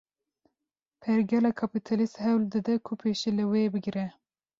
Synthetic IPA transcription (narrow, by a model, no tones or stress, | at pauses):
pʰɛɾɡɛlɑːkʰɑpit̪ʰɑlist̪hɛwld̪ɨd̪ɛkʰʊpʰeːʃelɨwebɨɡɾɛ